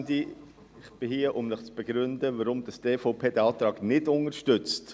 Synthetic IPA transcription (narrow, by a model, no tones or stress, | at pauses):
d̪i | ɪχb̥ɪhiːəʔʊmnɪχt͡sb̥eɡɾʏndəʋəɾʊmd̥̪ɑsdeːfoʊpʰeːd̥ɛɑːt̪ɾɑːɡ̥nɪdʊnəɾʃtʏt͡st